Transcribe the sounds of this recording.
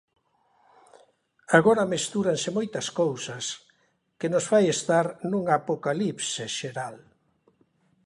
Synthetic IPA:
aɣoɾɐmest̪uɾaŋsemojt̪ɐskowsɐs | kenosfajest̪aɾnuŋapokalipseʃeɾal

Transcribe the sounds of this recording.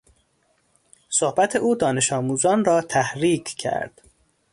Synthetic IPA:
sohbæt̪ʰeʔuːd̪ɒːne̞ʃɒːmuːzɒːnrɒːt̪ʰæhɾiːkʰcʰæ̰ɾd̪̥

